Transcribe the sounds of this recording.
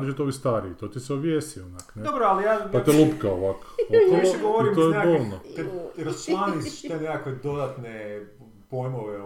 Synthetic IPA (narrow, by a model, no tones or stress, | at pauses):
ɾʒit̪oʋist̪aɾiit̪oːt̪iseobjesionakned̪obɾoalijaːpatt̪elˠupkaoʋako̥t̪oʋiʃeɡoʋoɾimt̪ojeekaɡolnot̪eɾassmanisʃt̪enekakʋed̪o̞d̪at̪ne | pojmoʋe